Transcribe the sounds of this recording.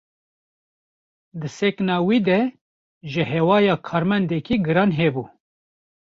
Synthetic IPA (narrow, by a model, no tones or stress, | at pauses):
d̪ɨsɛknɑːwiːd̪ɛ | ʒɨɦɛwɑːjɑːkʰɑːɾmɛnd̪ɛkiːɡɨɾɑːnɦebuː